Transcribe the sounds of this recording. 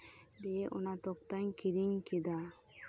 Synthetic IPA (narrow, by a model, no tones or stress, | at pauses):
d̪eʔɔ̰nat̪ɔk̚t̪aɲkiɾiŋkid̪a